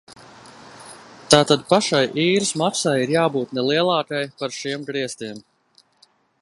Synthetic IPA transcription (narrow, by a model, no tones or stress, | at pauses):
t̪aːt̪ad̪̚paʃajʔiːɾɨsmaksajiɾjaːbuːt̪nɛlˠiɛlˠɑːkajpaɾʃimɡɾiɛst̪iɛm